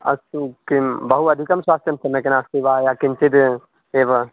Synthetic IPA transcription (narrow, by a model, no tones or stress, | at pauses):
ɐ̰skibəɦuɐd̪ʱikəmswaːst̪ʰjəmsɐmekenãsiʋajakint͡ʃit̪ | eb